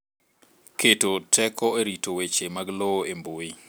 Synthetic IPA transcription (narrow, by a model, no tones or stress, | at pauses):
kʰetotʰɛkɔeɾitowet͡ʃemaɡlooemboi